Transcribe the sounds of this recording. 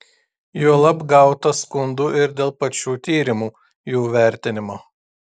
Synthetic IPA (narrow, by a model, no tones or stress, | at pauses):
juɔlˠɐbɡɐˑʊt̪ɐskʊnd̪uːʔɪɾd̪ʲeːlˠpɐt͡ʃʲuːt̪ʲiːɾʲɪmuː | juːʋʲæˑɾʲt̪ʲɪnʲɪmoː